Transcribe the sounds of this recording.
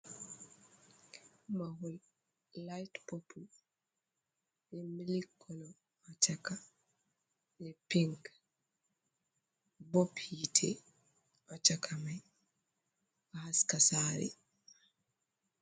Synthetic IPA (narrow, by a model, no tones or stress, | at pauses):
mahul | lajtpɔpʰul | jɛmilikʰːɔnɔ | at͡ʃaka | lɛpiŋk | bopjitʰḛ | at͡ʃakʰamaj | ahaskasaɾḭ